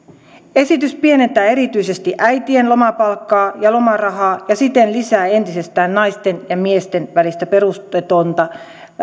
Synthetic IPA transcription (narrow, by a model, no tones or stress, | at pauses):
esit̪yspienent̪æːeɾit̪yisest̪iʔæit̪ienlo̞mɑpɑlkːɑːjɑlomɑrɑhɑːjɑsit̪enlisæːent̪isest̪æːnnɑist̪enjɑmiest̪enʋælist̪æpe̞rust̪et̪ont̪ɑ